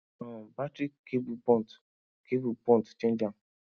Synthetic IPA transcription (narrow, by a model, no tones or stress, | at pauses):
ɔbatɾikːebupɔ̃nt | kebupɔ̃ntt͡ʃẽnd͡ʒam̩